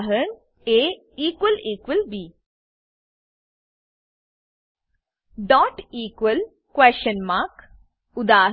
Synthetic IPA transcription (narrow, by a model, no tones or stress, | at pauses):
ɦən | eː | iːkʋəliːkʋəlbiː | ɖɔːʈiːkʋəl | kʋɛːʃənmaːk | ʊd̪aː